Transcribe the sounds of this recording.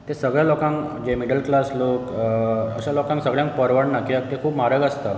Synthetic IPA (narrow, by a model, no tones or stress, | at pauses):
t̪esəɡɭjalokãŋk | d͡ʑemiɽəlklaslokə̰ɕalokãŋksəɡɭjaŋk̚pəɾʋəɳnakiək̚t̪ekʰuːpmaɾəɡəst̪ə